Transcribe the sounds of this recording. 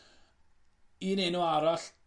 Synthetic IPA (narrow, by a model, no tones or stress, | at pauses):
iːnenuaɾaɬ